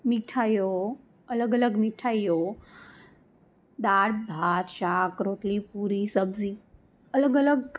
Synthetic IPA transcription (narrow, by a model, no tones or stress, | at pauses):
miʈʰajo | ɐləɡələɡmiʈʰaijo | d̪aːɽbʱaːɾʃaːkɾoːʈlipuɾisəbziː | ələɡələɡ